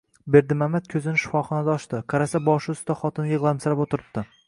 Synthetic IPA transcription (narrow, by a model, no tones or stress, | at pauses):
be̞ɾd̪ɪmamːat̪̚kʲʰɵzɪnɪʃʊ̥fɒχɒnad̪aɒʃt̪ɪqʰɑɾasabɒʃʊʊst̪aχɒt̪ʰɪnjɨʁlˠamsɪɾapot̪ʰɪɾɪb̚t̪ːɪ